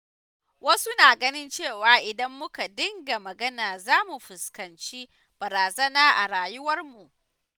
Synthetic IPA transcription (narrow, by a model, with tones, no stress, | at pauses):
wɐ˦su˦naː˨ɡɐ˦nɪ˦nt͡ʃeː˦˨waː˨˦ʔɪ˨dɐ˦mːʊ˦ka˨dɪ˦ŋɡa˨mɐ˨ɡɐ˦naː˨zaː˦mu˨ɸɪ˨skɐ˨nt͡ʃi˦ | b̥ɐ˨ɾaː˨zɐ˦naː˦ʔa˨ɾaː˨jʊ˦wɐ˦rmu˨ʔ